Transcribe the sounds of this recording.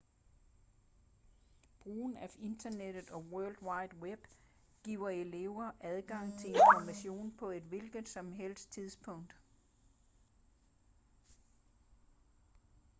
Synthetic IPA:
b̥ʁuːnæe̝nd̥ɐned̥ð̩ˠɒ̽wɜɐld̥wɑ̈ɪ̰d̥web̥ | ɡ̥ḭːʊ̰ɐe̝le̝ʊɐʔæðˠɡ̥ɑ̈ŋ̰t͡sʰe̝le̝nfɒmæɕo̝̰ːnpʰɒ̽e̝d̥ʋe̝lɡ̥ð̩ˠsɒ̽mɦel̰sdt͡sʰið̞ˠspʰɔ̽ŋ̰d̥

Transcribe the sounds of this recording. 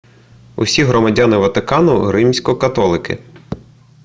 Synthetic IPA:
ʊ̰sʲiɦɾɔmɐdʲɑnɪʋɐt̪ɪkɑnʊɦɾɪmsʲkɔkɐt̪ɔlˠɪkɪ̰

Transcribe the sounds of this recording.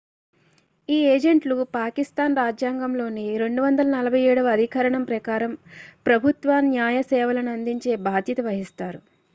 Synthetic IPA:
iːeːd͡ʒeɳʈlupaːkist̪aːnɾaːd͡ʒjaːŋɡɐmlo̞ːniɾe̞ɳɖuʋɐnd̪ɐlɐnɐlɐbʱɐjɛːɽɐʋɐɐd̪ʱikɐɾɐɳɐmpɾɐkaːɾɐmpɾɐbʱut̪ʋanjaːjɐsɛːʋɐlɐnuɐnd̪iɲt͡ʃe̞ːbʱaːd̪ʱjɐt̪ɐʋɐɦist̪aːɾu

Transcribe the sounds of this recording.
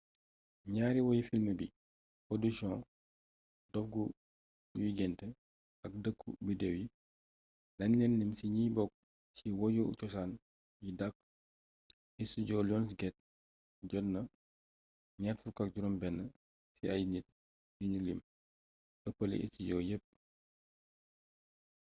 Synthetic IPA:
ɲaːɾiwɔjifilməbi | podusɔ̃ | dɔfɡu | wiɡɛntɛ | ɐk̚dəkːṵbədɛwji | lɐnːɛnːimsiɲiːbɔk̚ | siwɔjɔṵt͡ʃɔsan | jidɐk̚ | ɛsiɟɔːlɔnsɡɛt̚ | ɟɔdnɐ | ɲatfukɐk̚ɟuɾɔmbɛnːə | siɐjnit̚ | diɲulḭm | əpːəlḭʔɛ̰siɟɔjəp̚ː

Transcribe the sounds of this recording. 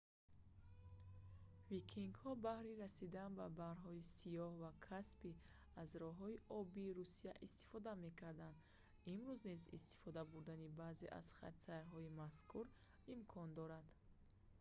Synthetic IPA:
vikʰiŋɡhɔbahɾiɾasid̪anbabahɾɦɔisijɔhvakʰaspi | azɾɔɦɔiʔɔbiːɾusijaʔist̪i̥fɔd̪ame̞kaɾd̪and̪ | imɾuznizḭst̪i̥fɔd̪abuɾd̪anibaːze̞ʔa̰z̥χa̰t̪saɾɦɔimaskuɾ | imkʰɔnd̪ɔɾad̪̥

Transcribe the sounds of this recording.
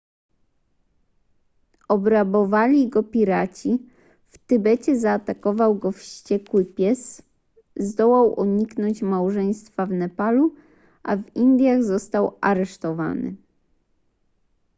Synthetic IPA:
ɔbɾabɔvalʲiɡɔpʲiɾat͡ɕi | ft̪ɘbɛt͡ɕɛzaːt̪akɔvawɡɔfɕt͡ɕɛkwɘpʲjɛs | zd̪ɔwawʔṵɲiknɔɲt͡ɕmawʐɛj̃st̪favnɛpalu | ʔavind̪ʲjaɣzɔst̪awʔaɾɛʂt̪ɔva̰nɘ̰

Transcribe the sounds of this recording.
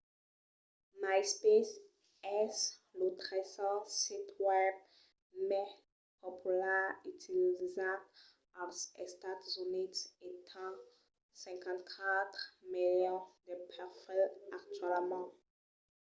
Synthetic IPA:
majspes | ɛslutʁɛsɔsitʰwɛb̚ | mɛ | pʰɔpʰulaitʰilzã | asɛstatzunitetʰã | sɛ̃ŋkãntkʰat̪χmiljɔ̃d̪ɛpʰɛfɛlak̚t͡ʃɛlmã

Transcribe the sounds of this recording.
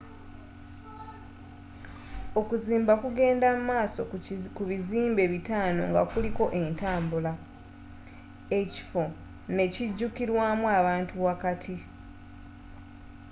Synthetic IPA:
okuziːmbakuɡe̞ːndamumaːso̞kuβiziːmbe̞βitaːno̞̰ŋɡa̰kuliko̞ʔe̞ntaːmbula | e̞ci̥fo̞ | ne̞ciɟːukiɾwaːmwaβaːntuwakatʰi

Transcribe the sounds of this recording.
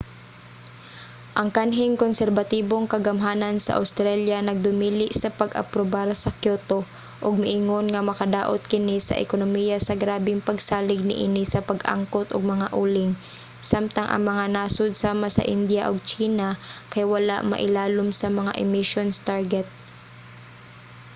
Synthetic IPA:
ʔɐŋkanɦɪŋkonsɛɾbɐt̪iːboŋkɐɡɐmɦaːnɐnsɐ̰ʔa̰wst̪ɾaljanɐɡ̚d̪ʊmiːlɪʔsɐpɐɡʔɐ̰pɾobaɾsɐkjot̪o | ʔoɡ̚mɪʔɪŋo̞nŋɐmɐkɐd̪aːʔot̪̚kɪnisɐ̰ʔɪ̰konomiːjasɐɡɾaːbɪŋpɐɡsaːlɪɡ̚nɪ̰ʔinisɐpɐɡʔa̰ŋkot̪ʔoɡ̚mɐŋaʔuːlɪŋ | samt̪ɐŋʔɐ̰ŋmɐŋanaːsod̪̚saːmasɐ̰ʔɪnd̪jaʔoɡ̚t͡ʃiːnakɐjwɐlaʔmɐ̰ʔɪlaːlomsɐmɐŋa̰ʔɪmɪʃonst̪aɹɡɛt̪̚

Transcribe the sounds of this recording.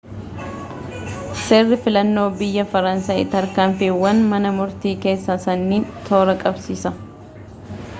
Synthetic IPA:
seːrːɪfɪlɐnːo̞ːbɪjːɐfɐɾɐnsaːjɪt̪ɐɾkaːmfiːwːɐnmɐnɐmʊɾt̪iːke̞ːsːɐsɐnːiːnt̪ʰo̞ːɾɐkʼɐbsiːsɐ

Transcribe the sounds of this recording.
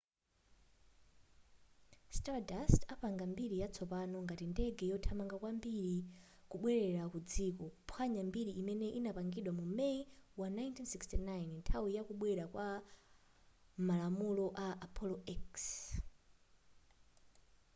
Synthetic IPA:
stadastapaŋɡambiɾijat͡sʰɔpanɔŋɡatindɛɡɛjɔtʰamaŋɡakwambiɾikuɓwɛɾɛɾakud͡zikɔpʰwaɲambiɾiʔːmɛnɛʔinapaŋɡiɗwamumɛiwanajntʰinsikstinajnntʰawijakuɓwɛɾakwa | malamulɔʔaʔapʰɔlɔɛks

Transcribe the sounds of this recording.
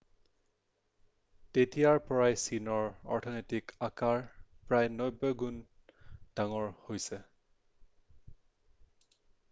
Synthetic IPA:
tetijaɹpɔɹajsinɔɹɔ̰ɹtʰɔnɔjtikakaɹpɹajnɔjbɔɡun | d̥aŋɔɹhojsɛ

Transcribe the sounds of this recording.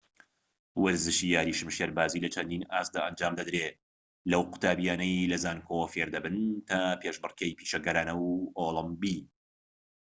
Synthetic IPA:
wɐɾzɨʃiːjaːɾiːʃɨmʃeɾbaːziːlɐt͡ʃʰɐnd̪iːnaːst̪̚d̪aːʔɐnd͡ʒaːmd̪ɐd̪ɾe | lɐwqʊ̥t̪ʰaːbijaːnɐjlɐzaːnkʰowfeɾd̪ɐbɨnt̪ʰɐpʰeʃbɨrkɐjpiːʃɐɡɐɾaːnɐwoːlˠɨmbi

